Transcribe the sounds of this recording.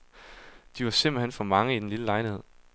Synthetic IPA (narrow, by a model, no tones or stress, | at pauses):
d̥iʋɑ̈sem̰b̥l̩henfɒ̽mɑ̈ŋəid̥enliləlɑ̈ɪnhe̝ð̞̰ˠ